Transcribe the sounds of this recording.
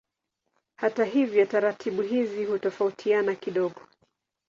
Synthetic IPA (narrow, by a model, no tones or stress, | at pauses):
hataɦivjɔtaɾatʰiɓuɦizihutɔfautʰianakiɗɔɠɔ